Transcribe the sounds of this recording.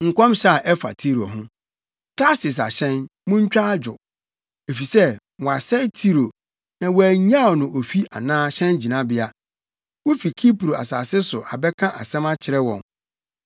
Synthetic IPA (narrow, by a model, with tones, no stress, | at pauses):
ŋ̩˨kʷɔ̃˦mɕa˦˨ʔɛ˦fa̰˨tʰi˦ɾo˨ɦʊ̃˦ | kʰɾa˦sɪ˨s̬a̰˨ɕɛ̃˦nmʊ̃˦ɲ̩˦t͡ɕᶣa˦d͡ʑᶣʊ˨ | e˨fi˨sɛ˦ | wɔ˨a˨sɛ˦tʰi˦ɾo˨ | nã˨wæ˨ɲã˦˨ɔ˨nʊ̃˨o˨fi˦ʔa̰˨nãː˦ɕɛ̃˦nd͡ʑi˨nã˦bɪ˦a˦ | wo˦fi˨kʰi˦pɾo˨a̰˨sa̰ː˨sɪ˦sʊ˨ʔa˨bɛ˦kʰã˦ʔa̰˨sɛ̃˦mã˦t͡ɕʰɪ˨ɾɛ˦wɔ̰̃˨n